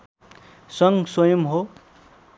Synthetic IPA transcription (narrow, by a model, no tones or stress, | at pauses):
sʌŋswʌjʌmɦo